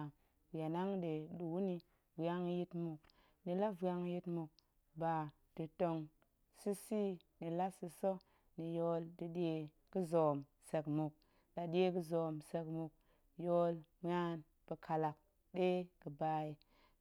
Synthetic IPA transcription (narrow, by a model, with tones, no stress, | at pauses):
ja˨na˦ŋɗe˨ɗu˨wni˧ | va˦ŋ˦ji˦tmu˨k | ni˨la˦va˧ŋ˦ji˧tmu˨k̚ | ba˨ | d̥i˨to˨ŋ | si˦si˦ | ni˨la˦si˧so˦ | ni˨jo˦ldi˨ɗe˧ | ki˦zo˨m | se˨kmu˨k̚ | ɗa˨ɗe˦ki˦zo˨mse˨kmu˨k̚ | jo˦lm˦a˦n | b̥ə˨kʰa˨la˨k̚ | ɗe˦ki˨ba˨˦i˨